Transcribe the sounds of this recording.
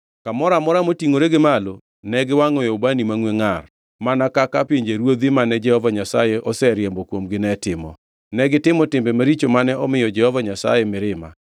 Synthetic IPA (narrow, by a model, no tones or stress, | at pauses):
kamɔɾamɔɾamotiŋoɾeɡɪmalo | nɛɡɪwaŋɔjobanimaŋweŋar | manakakapjeɲd͡ʒeɾwod̪imanɛd͡ʒɛhɔvaɲasajɛʔɔsɛɾjembɔkwomɡɪnɛtɪmɔ̰ | nɛɡɪtɪmɔtɪmbɛmaɾit͡ʃomanɛɔmɪjɔd͡ʒɛhɔvaɲasa̰jɛmɪɾɪma̰